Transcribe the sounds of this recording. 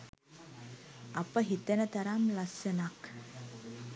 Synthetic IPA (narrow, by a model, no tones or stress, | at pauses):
ɐpəɦit̪ənət̪ɐɾamlɐsjɐnak